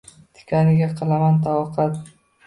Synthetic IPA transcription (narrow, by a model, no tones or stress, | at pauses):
t̪ʰɪ̥kʲʰanɪɡʲaqʰɨlˠamant̪ʰaɒqʰɑt̪